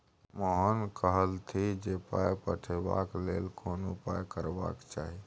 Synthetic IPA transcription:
moɦənkəɦəlt̪ʰid͡ʒepajpəʈʰeba̰klelkʰonopajkəɾba̰kt͡ʃaɦi

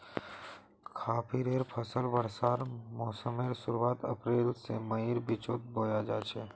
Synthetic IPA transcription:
kʰaːpʰiɾeːɾpʰəsəlbəɽsaːɾmɔːsəmeːɾsʊɾuwaːt̪əpɾeːlsemɐiːɾbit͡ʃoːt̪̚boːjad͡ʒaːt͡ʃʰeː

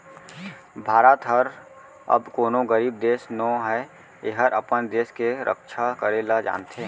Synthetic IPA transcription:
bʱaːɾət̪ɦəɾ | ɐ̰bkoːnõɡəɾiːb̚d̪eːsnõɦɛ | eɦəɾʔəpənd̪eːskeɾʔə̰kʃʰakəɾeːlad͡ʒa̰ːnt̪ʰe

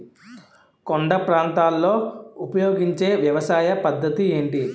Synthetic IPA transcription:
koɳɖɐpɾaːnt̪aːlːoːupɐjoːɡiɲt͡ʃeːʋjɐʋɐsaːjɐpɐd̪ʱːɐt̪ieːɳʈi

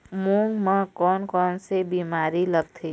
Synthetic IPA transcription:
mũŋɡmãkɔːnkɔːnsebiːmaːɾiləɡt̪ʰiː

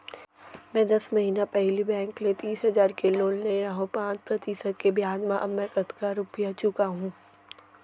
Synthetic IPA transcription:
mɛ̃ːd̪ɐsmɐɦiːnapɛɦlibɛ̃ːŋklet̪iːsɦɐzaːɾkeloːlneɾaɦõpãːt͡ʃpɾɐt̪ɪsəd̪̚kebjaːd͡ʒmãʔɐbmɛ̃ːkɐt̪kaɾʊpijat͡ʃʊkaɦũː

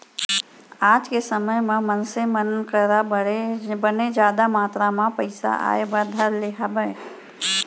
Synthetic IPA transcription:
ad͡ʒkesəməjmemənsẽmənkəɾabəebəned͡ʒaːd̪amaːt̪ɾamapəɪsa̰ʔa̰ebəd̪ʱəɾleɦʰabə

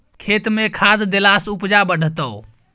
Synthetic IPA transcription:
kʰet̪mekʰad̪d̪elasupd͡ʒabəɽ̤ʱt̪əw

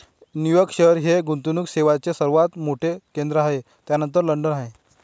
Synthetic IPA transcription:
nijəkɕəɾɦeɡunt̪unukseʋat͡sesəɾʋat̪moʈʰekend̪ɾəaɦe | t̪janənt̪əɾləɳɖənaɦe

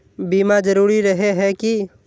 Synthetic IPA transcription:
bimad͡ʒəɾuːɾiɾəɦeɦɛki

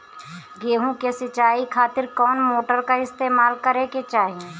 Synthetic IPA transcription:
ɡeːɦũkesɪt͡ʃaːikʰaːt̪ɪɾkɔːnmoːʈəɾkaɪst̪eːmaːlkəɾeket͡ʃaːɦiẽ

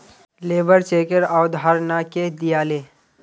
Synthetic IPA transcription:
leːʋəɾt͡ʃeːkəɾawd̪ʱɦaɾnaked̪ijaːleː

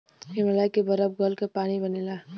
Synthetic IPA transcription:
ɪməlaːikebɐɾəb̚ɡəlkepaːñibɐneːlaː

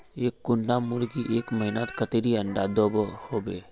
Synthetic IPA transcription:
eːkːʊnɖamʊɾkiʔeːkməɦɪnət̪kət̪eɾiə̃nɖ̪aːd̪oːbhoːbeː

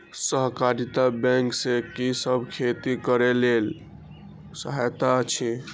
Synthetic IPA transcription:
səɦkaɾit̪abɛ̃ŋksekisəbʱkʰet̪ikəɾelel | səɦajt̪at͡ʃʰi

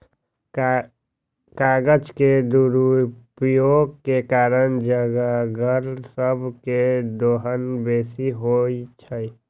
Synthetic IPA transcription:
kaːɡəd͡ʒked̪uɾupjoɡkekaːɾənd͡ʒəɡəɡəɾsəbʱked̪oɦənbeːsiɦoit͡ʃʰəi

